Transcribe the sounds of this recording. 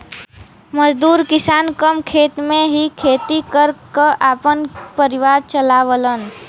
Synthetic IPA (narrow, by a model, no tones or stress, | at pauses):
məd͡ʒd̪uːɾkɪsaːnkəmkʰeːt̪mẽɦikʰeːt̪ikəɾkəʔaːpənpəɾɪʋaːɾt͡ʃəlaːʋələn